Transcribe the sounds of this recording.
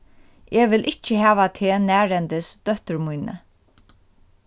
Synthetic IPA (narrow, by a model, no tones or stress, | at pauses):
ɛːʋɪlʔɪht͡ʃːəhæːʋat̪ʰeːnæːɾɛnt̪ɪsd̪̥œht̪əɾmujnə̰